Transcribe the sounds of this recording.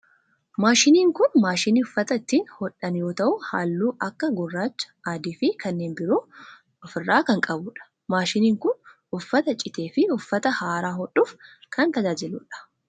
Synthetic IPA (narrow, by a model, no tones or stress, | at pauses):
maːʃɪniːŋkʊnmaːʃɪniʊfːɐt̪ɐɪt̪ːiːnhɔᶑɐnjo̞ːt̪ɐʔʊha̰ːlːuːʔɐkːɐɡʊrːaːt͡ʃːɐ̥aːd̪iːfɪkɐnːe̞ːnbɪɾoː | ɔfɪrːaːkɐŋkʼɐbʊᶑɐ̥ | maːʃɪniːŋkʊn | ʊfːɐt̪ɐt͡ʃʼɪt̪e̞ːfɪʊfːɐt̪ɐhaːɾaːɦɔɗːuːfkʰɐnt̪ɐd͡ʒaːd͡ʒɪluːᶑɐ̥